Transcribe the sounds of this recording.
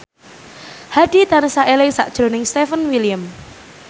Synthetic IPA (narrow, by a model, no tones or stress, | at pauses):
haɖ̥i̤d̪̥a̤nəsaʔelɪsa̰ʔd̥ʒ̥ɾo̤nɪŋst̪efənwilijəm